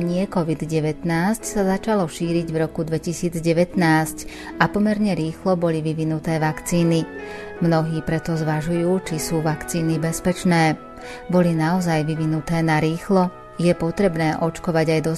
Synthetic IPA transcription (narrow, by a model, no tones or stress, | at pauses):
ɲɪɛkɔʋid̪ɟɛʋɛt̪naːscsazat͡ʃalɔʃiːɾiɟvɾɔkud̪ʋɛcisiːd͡zɟɛʋɛt̪naːsc | apɔmɛɾɲɛɾiːxlɔbɔliʋiʋinut̪ɛːʋakt͡siːni | mnɔɦiːpɾɛt̪ɔzʋaʒujuːt͡ʃisuːʋakt͡siːnibɛspɛt͡ʃnɛː | bɔlinaɔzajʋiʋinut̪ɛːnaɾiːxlɔ | jɛpɔt̪ɾɛbnɛːʔɔt͡ʃkɔʋaɟajd̪ɔ